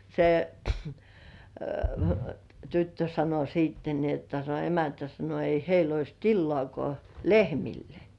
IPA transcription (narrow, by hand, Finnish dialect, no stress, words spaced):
se tytːø sɑno siːtːen ni otːɑ se emæntæ sɑno ei heil ois tilːŏɑˑkŏɑˑ lehmilːe